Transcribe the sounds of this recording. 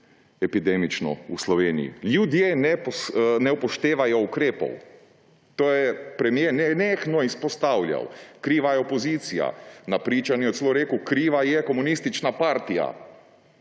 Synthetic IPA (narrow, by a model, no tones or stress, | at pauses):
ɛpid̪eːmit͡ʃnɔ̰uslɔʋeːnijḭljud̪jenɛpnɛpɔʃt̪eːʋajɔukɾeːpɔ̰w | t̪oːjɛpɾɛmjenɛnexnɔispɔst̪awlʲja̰wkɾiːʋajɛopoziːt̪sija̰napɾiːt͡ʃanɛɔt̪seloɾeːkukɾiːʋajɛkɔmunist̪it͡ʃnapaɾt̪ija̰